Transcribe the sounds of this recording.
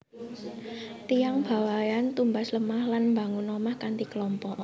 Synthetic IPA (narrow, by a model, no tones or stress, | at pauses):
t̪ijaŋb̥a̤wajant̪umbasləmahlanmbaŋunɔmahkant̪ikəlɔmpɔʔ